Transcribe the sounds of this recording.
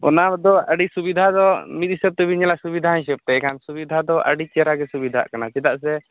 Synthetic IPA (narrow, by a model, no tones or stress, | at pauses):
ɔ̰nad̪ɔəɖisubid̪ʱad̪ɔmit̪̚isɛp̚t̪ɛbiɲɛlasubid̪ʱaĩs̬ɛp̚t̪ɛkʰansubid̪ʱad̪ɔʔə̰ɖit͡ʃaɾaɡɛsubid̪ʱa̰ʔkanat͡ʃɛd̪aʔsɛ